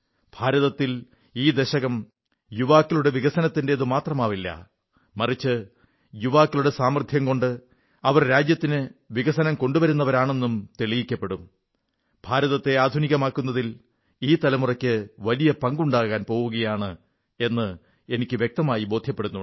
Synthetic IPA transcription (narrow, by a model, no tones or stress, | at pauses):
b̥ʱaːɾɐðɐt̪ːil | iːd̪eɕɐɣɐm | juʋaːkːiluɽe̞ʋiɣɐsɐnɐt̪ːindeːðɨmaːt̪rɐmaːʋilːɐ̰ | mɐrit͡ɕːɨ | juʋaːkːiluɽe̞saːmrd̪ʱʰjɐmko̞ɳɖɨ | ɐʋɐrɾaːd͡ʑjɐt̪ːinɨʋiɣɐsɐnɐmko̞ɳɖuʋɐɾunːɐʋɐɾaːɳe̞nːumt̪eɭijikʲːɐpːe̞ɽum | b̥ʱaːɾɐðɐt̪ːe̞aːd̪ʱuniɣɐmaːkːunːɐðil | iːt̪ɐlɐmurɐkʲːɨʋɐlijɐpɐŋɡuɳɖaːɣaːnpo̞ːɣuɣɐjaːɳɨ | e̞nːɨ | e̞nikʲːɨʋjek̚t̪ɐmaːjibo̞ːd̪ʱjɐpːeɽunːu